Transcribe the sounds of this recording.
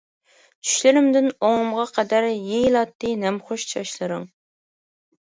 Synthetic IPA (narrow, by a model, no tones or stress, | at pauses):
t͡ʃʰy̥ʃlɪɾɪmd̪ɪnoŋʊmʁɑqʰɛd̪æɾjejlˠɑt̪ːɨnɛmχoʃt͡ʃʰɑʃlˠɨɾɨŋ